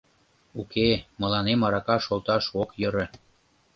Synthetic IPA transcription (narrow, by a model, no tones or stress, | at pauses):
ukemɤ̆lɑnemɑɾɑkɑʃolˠt̪ɑʃokjə̆ɾə̆